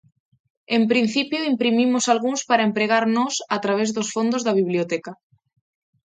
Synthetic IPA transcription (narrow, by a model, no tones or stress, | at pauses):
empɾin̟θipjoimpɾimimʊsalɣuŋspaɾaempɾeɣaɾnɔsat̪ɾaβ̞ezðosfond̪ʊzðaβiβliot̪ɛka